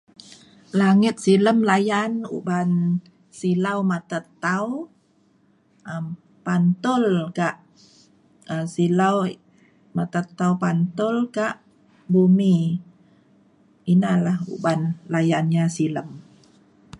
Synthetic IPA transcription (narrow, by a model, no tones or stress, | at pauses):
laŋɪt̪̚siləmlajanṵban | silawmat̪at̪ːaw | ʔəm | pant̪ʊlkaʔ | əsilaw | mat̪at̪ːawpant̪ʊlkaʔ | bumi | inalahṵbanlajanɲasiləm